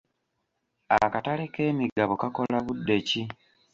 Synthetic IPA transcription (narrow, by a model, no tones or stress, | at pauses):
akataleke̞ːmiɡaβokako̞laβudːe̞ci